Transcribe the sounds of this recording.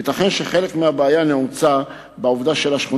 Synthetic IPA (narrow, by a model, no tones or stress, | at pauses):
et̪aχe̞nʃeχe̞le̞kmeabeajaneut͡sa | baovd̪aʃelaʃχu